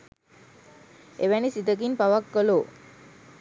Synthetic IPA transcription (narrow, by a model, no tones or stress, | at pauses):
eʋænisid̪ək̬inpaʋɐkːəlo